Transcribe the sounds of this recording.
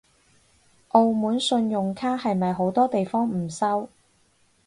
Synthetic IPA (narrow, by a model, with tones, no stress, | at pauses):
ʔo˧wmuː˨˥nsɵ˧njʊ˨ŋkʰaː˥hɐ˨jmɐ˨jɦo˨˥wt̪ɔː˥t̪e˨jfɔː˥ŋm̩˨˩sɐ˥w